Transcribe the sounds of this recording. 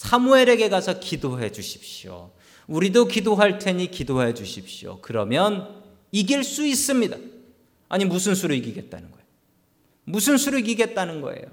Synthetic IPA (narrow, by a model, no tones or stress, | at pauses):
sʰamue̞ɾe̞ɡe̞ɡasʰʌkidoɦe̞d͡ʑuɕʰi̥p̚ɕjo̰ | uɾidokidoɦaɭtʰe̞ɲikidoɦed͡ʑuɕʰip̚ɕio̰kɯɾʌmjʌn | iɡiɭs͈uis͈ɯmɲida | aɲimusʰɯnsʰuɾoiɡiɡe̞t̚t͈a̰nɯnɡʌejo | musʰɯnsʰuɾoiɡiɡe̞t̚t͈anɯnɡʌ̰ḛjo